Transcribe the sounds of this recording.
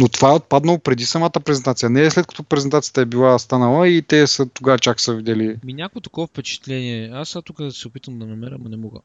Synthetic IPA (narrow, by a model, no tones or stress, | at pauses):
not̪ovaɛot̪̚pad̪nɐlˠopɾɛd̪isɐmat̪əpɾɛzɛnt̪at̪sijənɛslɛt̪kɐ̥t̪opɾɛzɛnt̪at̪ijə̥t̪əɛbilˠast̪anɐlˠəit̪ɛsət̪oɡat͡ʃaksəvid̪ɛliminʲakʊet̪ɐ̥kɔvəfpɛt͡ʃɛ̥t̪lɛniɛast̪ukəsɛʊpit̪əmd̪ɐnɐmɛɾəmɐnɛmɔɡə̰